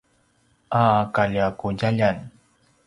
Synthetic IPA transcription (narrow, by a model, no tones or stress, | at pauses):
ʔaːkaʎakuɟaʎan